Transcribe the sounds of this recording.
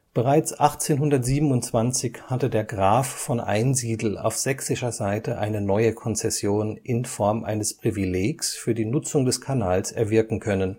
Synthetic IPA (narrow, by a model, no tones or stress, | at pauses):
b̥əʁaɪt͡sʔaχt͡seːnɦʊndɐtz̥iːbm̩ʊntt͡sv̥ant͡sɪçhatədeːɐɡʁaːfːɔnʔa̰ɪnziːdl̩a̰ʊfz̥ɛksɪʃɐzaɪtəʔaɪnənɔʏəkʰɔnt͡sɛsjoːnʔɪnfɔɐmʔa̰ɪnəspʁ̥ivileːksfyːɐdiːnʊt͡sʊŋdɛskʰanaːlsɛɐvɪɐkŋ̩kʰœnən